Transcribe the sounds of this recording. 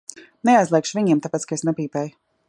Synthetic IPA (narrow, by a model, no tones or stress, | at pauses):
neajzlˠiɛkʃviɲiɛmt̪apeɛːt̪skaesnɛpiːpɛːj